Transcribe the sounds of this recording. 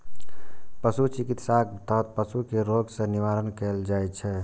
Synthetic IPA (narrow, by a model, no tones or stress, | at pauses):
pəsut͡ʃikit̪sakt̪ɔɦt̪̚pəsukeɾoɡsẽniʋaɾənkeld͡ʒajt͡ʃʰɛ